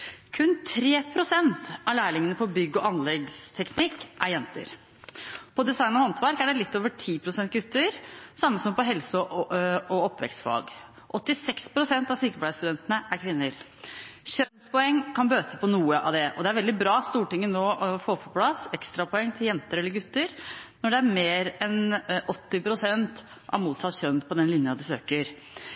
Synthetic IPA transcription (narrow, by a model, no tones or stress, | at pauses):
kʰʉnt̪ʰɾeːpʰɾʊsɛnt̪ʔɑlæɪlɪŋənəpɔbʏɡːɔɑnlɛɡst̪ʰɛknɪkːʔæɾjɛnt̪ə̰ɾ | pʰɔd̪ɛsɑɪnɔhɑnt̪ʰʋæɾkæɖɛlɪt̪ːoːʋəʈʰiːpʰɾʊsɛnt̪̚ɡʉt̪ːəɾsɑmːəsɔmpɔɦɛlsə | ɔɔpːʋɛ̰kst̪fɑ̰ɡ | ʔɔt̪ːɪsɛkspʰɾʊsɛnt̪ɑʋsyːkəplæɪst̪ʉd̪ɛnt̪ənəʔæɾkʰʋɪnːəɾ | çœnspɔɛŋːkʰɑnbøːt̪əpʰɔnuːəʔɑ̰d̪ɛʔɔd̪ɛæɾʋɛld̪ɪbɾɑːst̪uːʈɪŋːənoːfoːɾpʰɔpʰlɑsɛkst̪ɾɑpʰɔɛŋːt̪ʰɪljɛnt̪əɾɛlːəɾɡʉt̪ːəɾnɔɖɛæɾmeːɾɛnɔt̪ːɪpɾʊsɛnt̪ | ʔɑ̰ʋmuːt̪sɑt̪ːɕœnːpʰɔd̪ɛnlɪnjɑd̪ɪsøːkəɾ